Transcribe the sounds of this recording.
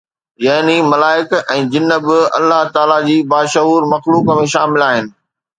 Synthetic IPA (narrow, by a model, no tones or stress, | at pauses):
jaɦnimɐlaːɪkɛ̃ːd͡ʑɪnːə̆bɪɐ̰lːaɦt̪aːlad͡ʑiːbaːʃɐɦuːɾmɐxluːkəmẽʃaːmɪlaːɦɪnɪ̆